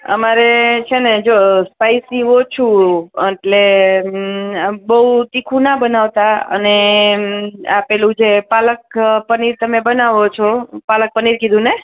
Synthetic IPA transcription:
ə̰maɾet͡ʃʰened͡ʒospaisniʋot͡ʃʰũeʈle | bəɦut̪ikʰũnabənaʋt̪aə̰ne | apɛlũd͡ʒepalək̚pəniɾt̪əmebənaʋot͡ʃʰopalək̚pəniɾkid̪ʱũne

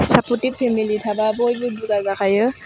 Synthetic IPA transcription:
saputippʰːemilitʰababɔjbɯbuzazakʰajɯ

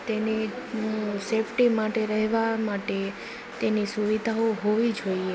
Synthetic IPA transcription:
t̪eni | sefʰʈimaʈeɾəɦʋamaʈe | t̪enisuʋid̪ʱaoɦoʋid͡ʒoie

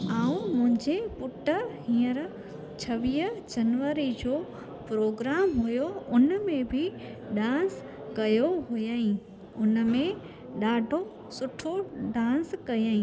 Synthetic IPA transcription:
aːũmʊ̃ɦɪ̃ɲd͡ʑepʊʈəɦĩːəɾ | t͡ɕʰɐʋiːd͡ʑɐnʋəɾid͡ʑoː | pɾoːɡɾaːmɦʊjoʊnmẽbʱɪɗãːns | kɐjoɦʊjaːĩ | ʊnmẽ | ɗaːɖʱo | sʊʈʰoɖãːnskɐjaːĩ

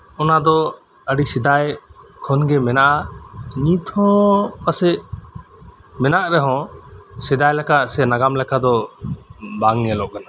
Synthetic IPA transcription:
ɔnad̪ɔ | əɖisid̪ajkʰɔnɡɛmɛnaʔaɲit̪ʰɔ̃pasɛʔ | mɛnaʔɾɛɦɔ̃sid̪ajlɛkaʔsɛnaɡamlɛkʰad̪ɔ | baŋɛlɔʔkana

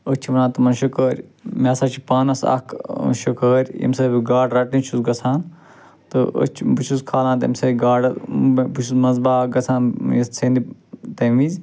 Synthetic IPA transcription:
ət͡ʃʰiʋɐnãːt̪ɐmɐnʃukəːɾʲmeːsaːt͡ʃʰipaːnɐsɐ̰kʰʃukəːɾʲḭmsɐːbiɡaːɖɾɐʈnĩt͡ʃʰusɡɐt͡sʰaːn | t̪ɨʔə̰t͡ʃʰbut͡ʃʰuskʰaːlãːt̪ḛmsɐːɡaːɖɐbut͡ʃʰusmɐzbaːɡɐt͡sʰãːnjɐst͡sʰeːnd̪it̪ɐʋizʲ

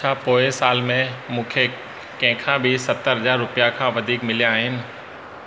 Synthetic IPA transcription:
t͡ɕʰaːpoːɪsaːlmẽmũːkʰe | kɐ̃ɦɪ̃kʰãːbɪsɐt̪əɾɦɐzaːɾːʊpijakʰãːʋɐd̪ʱiːkmɪliaːɦɪnɪ̆

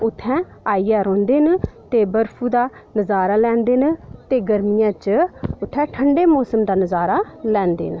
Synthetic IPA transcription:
ʊt̪ʰːɛ̃ː | aːijaːɾõːnd̪eːnt̪eːbəɾpʰuːd̪aː | nəzaːɾaːlɛ̃ːnd̪eːnt̪eːɡəɾmɪjãːt͡ʃʊt̪ʰːɛ̃ːʈʰəɳɖeːmɔːsəmd̪aːnəzaːɾaːlɛ̃ːnd̪ḛːn

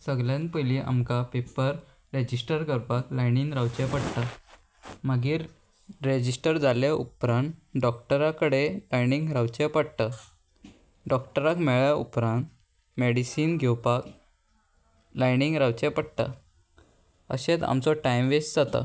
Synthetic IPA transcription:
səɡljãnpəjliʔa̰mkapepəɾ | ɾed͡ʑisʈəɾkəɾpaklajniŋɡɾawt͡ɕɛpəɽt̪a | məɡiːɾː | ed͡ʑisʈəɾd͡zʱaljaʔṵpɾãnɖɔk̚ʈəɾakəɽelajniŋɡɾawt͡ɕepəɽt̪a | ɖɔkʈəɾakmɛɭjaṵpɾãnt̪ | meɽisiːnɡʱewpak | lajniŋɡɾawt͡ɕɛpəɽt̪a̰ | ə̰ɕẽt͡s̪a̰mt͡sɔʈajmʋesd͡zat̪a̰

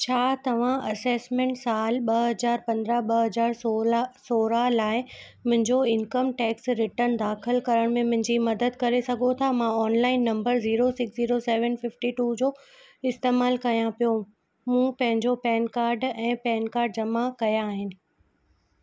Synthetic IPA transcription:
t͡ɕʰaːt̪ɐʋ̤ãʔɐseːsmẽːɳʈsaːlɓɐɦɐzaːɾpɐ̃nd̪ɾaɓɐɦɐzaːɾsosoːɾalaːɪ | mʊ̃ɦɪ̃ɲd͡ʑoɪnkəmʈɛːksɾɪʈəɾnd̪aːxɪlkɐɾəɽ̃mẽmʊ̃ɦɪ̃ɲd͡ʑimɐd̪əd̪̚kɐɾesɐɡʱot̪ʰamãɔːnlaːɪnːɐ̃mbəɾziːɾosɪksziːɾoseːʋənfɪfʈiʈuːd͡ʑoː | ɪst̪eːmaːlkɐjãpijo | mũːpɐ̃ɦɪ̃ɲd͡ʑopɛːnkaːɾɖɛ̃ːpɛːnkaːɾɖ̚d͡ʑɐmakɐjaːɦɪnɪ̆

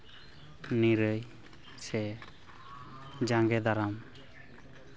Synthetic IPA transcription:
niɾəj | sɛ | d͡ʒaŋɡɛd̪aɾam

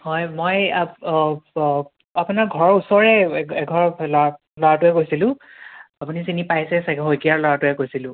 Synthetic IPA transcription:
hɔjmoja | apʊnaɹɡʱɔɹusɔɹɛɛɡʱɔɹɔplɔa | lɔɹatʊɛkojsilʊ̃ | apunisinipajsɛsakɦojkiaɹlɔɹatʊɛkojsilʊ̃

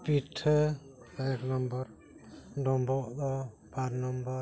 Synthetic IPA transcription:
piʈʰ | ɛknɔmbɔɾ | ɖɔmbɔʔd̪ɔ | pʰaɾnɔmbɔ

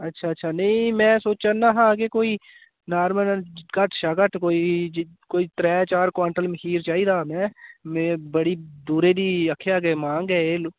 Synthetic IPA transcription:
ɐtːʃʰaːtːʃʰanɐɦĩmɛ̃ːsoːt͡ʃanaɦakekoːi | naːɾmənkəʈʰʃaɡəʈkoːi | koːit̪ɾɛːt͡ʃaːɾkwaːɳʈəlmɪkiːɾt͡ʃaːiɾaːmɛ̃ːmebəɽid̪uːɾed̪iɐkʰːeaːɡəmãːŋɡɛelo

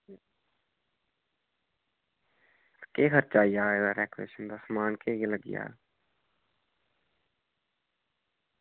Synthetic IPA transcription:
keːkʰəɾt͡ʃaːijaːeɡ̪aɾeːkɾḛːʃənb̪əsmaːnkejeləɡija̰ː

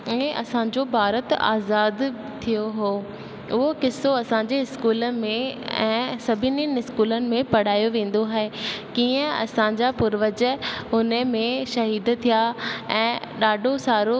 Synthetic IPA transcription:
ʊẽʔɐsãd͡ʑobʱaːɾət̪a̰ːzaːd̪ | t̪ʰijoɦoː | ʊɦokɪsoɐsãɲd͡ʑeɪskuːləmẽɛ̰̃ːsɐbʱɪninɪskuːlənɪ̆mẽpɐɽ̤aːjoʋẽːn̆d̪oɦaːɦekiːə̃ɐ̰sãːɲd͡ʑapʊɾʋəd͡ʑʊnəmẽʃɐɦiːd̪t̪ʰijaɛ̃ːɗaːɖʱosaːɾo

